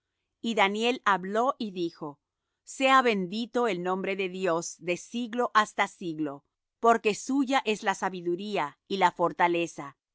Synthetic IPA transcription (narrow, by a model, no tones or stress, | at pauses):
iðanje̞laβlo̞ʔiðixo̞ | se̞aβe̞nd̪it̪o̞elnõ̞mbɾe̞ðe̞ðjo̞z̥ðe̞siɣlo̞ʔast̪asiɣlo̞ | po̞ɾke̞suʝaʔe̞zlasaβiðuɾiailafo̞ɾt̪ale̞sa